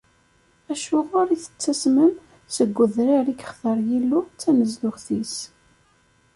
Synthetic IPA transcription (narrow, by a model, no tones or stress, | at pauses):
æʃʊʁʊɾiθə̥t͡sːæsməm | səɡʷːəðɾaɾikə̥χθəɾˤjilːut͡sːænəzd̪ʊχθis